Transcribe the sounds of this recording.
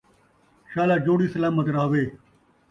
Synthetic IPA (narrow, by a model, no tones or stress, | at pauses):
ʃaːlaːd͡ʒoːɽiːsɐlaːmət̪ɾaːɦʋeː